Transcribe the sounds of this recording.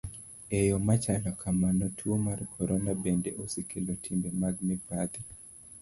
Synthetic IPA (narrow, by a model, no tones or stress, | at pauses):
ɛjɔmat͡ʃanɔkʰamanɔtʰuomarkʰɔɾɔnabendeʔosikɪlotʰimbemaɡ̚mɛbad̪i